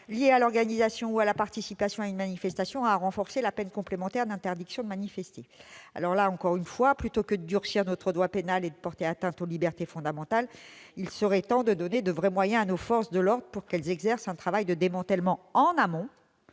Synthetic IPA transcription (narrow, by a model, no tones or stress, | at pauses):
ljealɔʁɡanizasjɔ̃ualapaʁt̪isipasjɔ̃aynmanifɛst̪asjɔ̃aʁɑ̃fɔʁselapɛnkɔ̃plemɑ̃t̪ɛʁd̪ɛ̃t̪ɛʁd̪iksjɔ̃d̪əmanifɛst̪ea̰lɔʁlaɑ̃kɔʁynfwaplyt̪okəd̪əd̪yʁsiʁnot̪χəd̪wapenaled̪əpɔʁt̪eat̪ɛ̃t̪olibɛʁt̪efɔ̃d̪amɑ̃t̪alilsəʁɛt̪ɑ̃d̪əd̪ɔned̪əvʁɛmwajɛ̃anofɔʁsd̪əlɔʁd̪ʁəpuʁkɛlzɛɡzɛʁsɛ̃t̪χavajd̪əd̪emɑ̃t̪ɛlmɑ̃ɑ̃namɔ̃